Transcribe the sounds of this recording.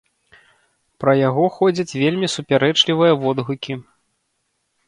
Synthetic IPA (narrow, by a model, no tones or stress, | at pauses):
pɾɐjaɣɔxɔd͡zʲɐt͡sʲvʲelʲmʲisupʲaɾɛt͡ʂlʲivɨjɐvɔd̪ɣukʲi